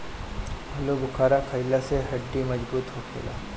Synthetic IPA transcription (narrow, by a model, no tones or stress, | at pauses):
bʱɐlobʊkʰaːɾakʰɐɪlaseɦɐɖːimɐd͡ʒbuːt̪ɦoːkʰḛːla̰ː